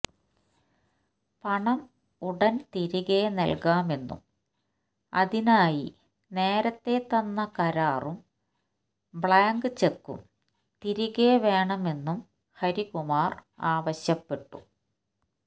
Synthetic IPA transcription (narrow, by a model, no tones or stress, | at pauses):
pɐɳɐm | uɽɐnt̪iɾiɣenɐ̰lkaːme̞nːṵm | ɐ̰ðinaːji | ne̞ːɾɐt̪ːe̞t̪ɐnːɐkɐɾaːrum | bɭaːŋɡɨt͡ɕekːṵm | t̪iɾiɣeʋe̞ːɳɐme̞nːum | hɐɾikumaːr | aːʋɐɕjɐpːe̞ʈːṵ